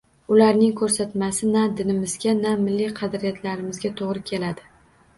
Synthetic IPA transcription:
ʊlaɾnɪŋkʰɵɾsat̪masɪnad̪ɪnɪmɪzɡʲanamɪlːijqʰɑd̪ɾijat̪ʰlaɾɪmɪzɡʲat̪ʰoʁɾɪkʲʰe̞lad̪ɪ

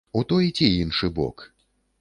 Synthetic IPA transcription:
ut̪ɔjit͡sʲiinʂɨbɔ̰k

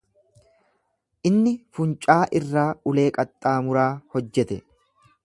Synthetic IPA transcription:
ʔɪnːɪfʊnt͡ʃʼaːʔɪrːaːʊle̞ːkʼɐt̪ʼːaːmʊɾaːhɔd͡ʒːɛt̪ɛ

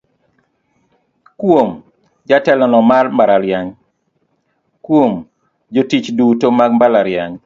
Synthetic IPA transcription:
kwom | d͡ʒatɛlɔnɔmarmbaɾaɾjaŋ | kwom | d͡ʒotit͡ʃdutomaɡmbalaɾjaŋ

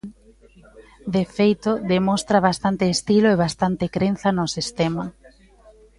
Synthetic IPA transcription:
d̪efejt̪ʊðemɔst̪ɾaβ̞ast̪ant̪eːst̪iloeβ̞ast̪ant̪ɪkɾen̟θɐnʊsist̪emɐ

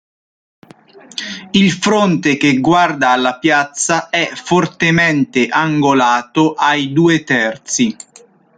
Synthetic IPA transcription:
ilfɾont̪ek̟eɡward̪aːlːapjat̪saɛfort̪emɛnt̪eʔaŋɡolaːt̪oʔajd̪uːet̪ɛrt̪si

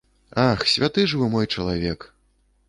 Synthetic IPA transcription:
axsʲvʲat̪ɨʐɨvɨmɔjt͡ʂɐlˠavʲɛk

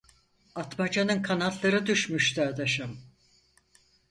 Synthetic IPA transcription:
at̪mad͡ʒanɯnkʰanalˠːaɾɯd̪yʃmyʃt̪ad̪aʃam

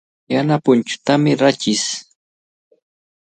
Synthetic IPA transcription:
janapʊnt͡ʃʊ̥t̪amɪɾat͡ʃɪs

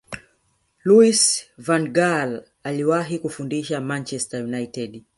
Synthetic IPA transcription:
luisvanɡal | aliwaɦikufundiʃamant͡ʃɛstajunaitɛd

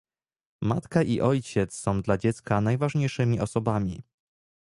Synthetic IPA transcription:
ma̰t̪kaʔiʔɔjt͡ɕɛt̪ssɔ̃w̃d̪lad͡ʑɛt̪skanajvaʐɲejʂɘmʲiʔɔsɔbamʲḭ

